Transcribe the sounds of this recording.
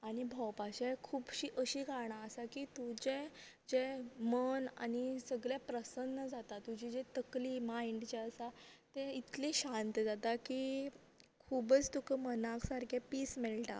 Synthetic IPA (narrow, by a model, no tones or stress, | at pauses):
aɽ̃ibʱɔwpaɕekʰuːbɕiʔəɕiːɡaɳ̃aəsakit̪ud͡ʑed͡ʑeməna̰ñisəɡɭjapɾəsənːəd͡zat̪at̪ːud͡ʑʱid͡ʑet̪əklimaiɳɖt͡ɕeəsat̪eit̪leɕant̪d͡zat̪aki | kʰubət͡st̪ukəmənãksaɾkʰepiːsmelʈa̰